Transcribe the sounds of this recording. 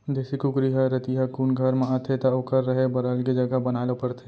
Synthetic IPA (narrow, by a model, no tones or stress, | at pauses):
d͡ʒ̪eːsikʊkɾiɦɐɾɐt̪iɦakunɡʱɐɾmẽat̪ʰet̪aokəɾːəɦebɐɾəlkid͡ʒɐɡəbɐnaːlopɐɾt̪ʰe